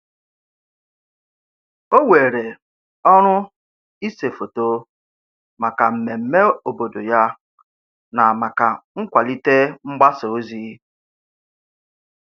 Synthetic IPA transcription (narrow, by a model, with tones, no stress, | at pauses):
o˦we˨ɾe˨ | ɔ˦ɾ̃ʊ˦ | i˦se˨fo˨to˦ | ma˨ka˨m̩˨me˨m̩˦me˦o˨bo˨do˨ja˦ | na˨ma˨ka˨ŋ̩˦kʷa˨li˦te˦ŋ͡m̩˦ɡ͡ba˦so˨˦zi˦